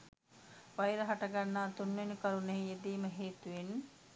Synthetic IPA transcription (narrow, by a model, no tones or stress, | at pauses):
ʋajɾɐɦaʈɐɡanːaːt̪unʋenukɐɾuneɦied̪iːməɦeːt̪uʋen